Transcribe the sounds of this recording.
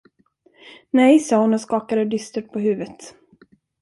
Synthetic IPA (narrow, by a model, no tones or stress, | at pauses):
nɛjsɑːhʊnəskɑːkad̪əd̪ʏst̪əʈ̪̚pʰɔɦʉ̟ːvət̪